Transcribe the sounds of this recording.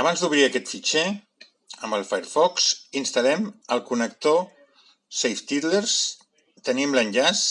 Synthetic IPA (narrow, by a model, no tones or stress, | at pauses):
əβanzd̪uβ̞ɾiəkɛt̪fit͡ʃɛ | əmbəlˠfajɾfɔksinst̪əlɛməlˠkunək̚t̪o | sejft̪it̪leɾs | t̪ənimlənʲʎas